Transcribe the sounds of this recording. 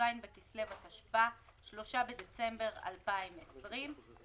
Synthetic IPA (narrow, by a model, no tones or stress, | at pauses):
ajnbekislevataʃpa | ʃlo̞ʃabed̪et͡se̞mbe̞ʁa̰lpaimesʁim